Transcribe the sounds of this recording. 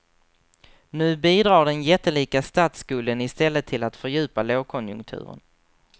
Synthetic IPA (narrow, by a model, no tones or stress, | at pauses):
nʉ̟ːbiːd̪ɾɑːɖɛnjɛt̪ːəliːkast̪aːt̪skɵːlːənɪst̪ɛlːət̪ʰːɪlat̪fœɾjʉ̟ːpaloːkʰɔnjɵ̰ŋk̚t̪ʰʉ̟̰ːɾə̰n